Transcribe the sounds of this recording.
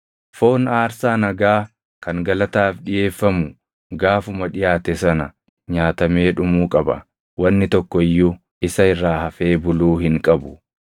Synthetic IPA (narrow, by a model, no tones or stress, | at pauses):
fo̞ːnaːɾsaːnɐɡaː | kɐŋɡɐlɐt̪aːfᶑɪje̞ːfːɐmʊ | ɡaːfʊmɐᶑɪjaːt̪ɛsɐnɐ | ɲaːt̪ɐme̞ːᶑʊmuːkʼɐbɐ̰ | wɐnːɪt̪ɔkːɔɪjːʊ | ʔɪsɐɪrːaːhɐfe̞ːbʊluːhɪŋkʼɐbʊ̥